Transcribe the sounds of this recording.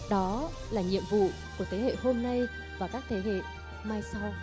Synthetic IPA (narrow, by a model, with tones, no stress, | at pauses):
ɗɔ˨˦ | laː˨˩ɲḭ˧˨əmvṵ˧˨ | ku˧˩ət̪ʰe˨˦hḛ˧˨ɦo˧mna˧j | vaː˨˩kaː˦˥k̚t̪ʰe˨˦ɦḛ˧˨ | maː˧jsa˧w